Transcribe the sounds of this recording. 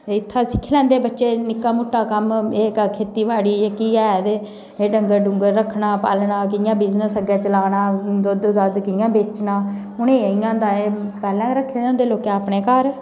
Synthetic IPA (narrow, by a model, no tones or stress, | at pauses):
ɪt̪ʰːãːsɪ̥kʰːlɛ̃ːnd̪eːbətːʃeːnɪkːaːmʊʈːaːkəmeːkkʰeːt̪iːʋaːɽiːekiːɛːd̪eː | eːɖəŋɡəɾɖʊŋɡəɾːəkʰːnaːpa̰ːlnaːkɪjãːbɪznəsəɡɛːt͡ʃəlaːnaːd̪oːd̪oːd̪əd̪kɪjãːbeːt͡ʃnaː | ʊneːɪjãːd̪ãːeːpɛːlɛ̃ːɾəkʰːeːd̪ʊnd̪eːloːkɛ̃aːpɳeːkəɾ